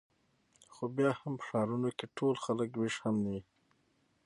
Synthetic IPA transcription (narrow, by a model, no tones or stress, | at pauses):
xobjɑhampə̥ʂɑɾunokeʈʰolxaləkwɪʃhamd̪i